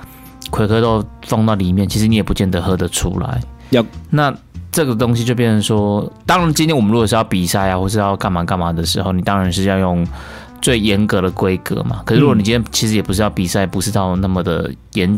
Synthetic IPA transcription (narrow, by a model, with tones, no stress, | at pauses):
kʰwe˧˥ɪkʰɤ˥t̪o˥˧ʊfɑ˥˧ŋt̪ɑ˥˩ʊli˨˩mjɛ˥˩nt͡ɕʰi˧˥ʂɻ̩˧˦ni˧˥jɛ˨˩pu˧˥t͡ɕjɛ˥˩nd̪ə˨˦xɤ˥˩d̪ə˨ʈ͡ʂʰṵ˥la̰˧˦ɪna˥˨ʈ͡ʂɤ˥˩ɡə˩t̪o˥ŋɕ̬i˧t͡ɕjo˥˧ʊpjɛ˥˩nʂə˧˦nʂwɔ˥t̪ɑ˥ŋɻa˧nt͡ɕi˥nt̪ʰjɛ˥nwɔ˨mə˦nɻu˧˥kɔ˨˩ʂ̩˥jɑ˥˩ʊpi˨˩sa˥˩ɪa˨xwʂɻ̩˥˧jɑ˥˧ʊka˥˩nma˨˩ka˥˩nma˨˩d̪ə˩ʂɻ̩˧˥xo˥˩ni˨˩t̪ɑ˥ŋɻa˧˦nʂɻ̩˥˧jɑ˥˧ʊjʊ˥˧ŋ | t͡swe˥˩ɪjɛ˧˥nkɤ˧˥ɾə˨kwe˥ɪkɤ̰˧˥ma̰˨˩kʰɤ˨˩ʂɻ̩˥˩ɻu˧˥˧ni˨t͡ɕi˥nʰjɛ˥t͡ɕʰi˧˥ʂɻ̩˧˥jpu˧˥ʂɻ̩˥˧jɑ˥˩ʊpi˨˩sa˥˩ɪ˨˩pu˧˥ʂɻ̩˥˧t̪ɑ˥˧ʊna˥˩mə˩d̪ə̰˩jɛ˧˥n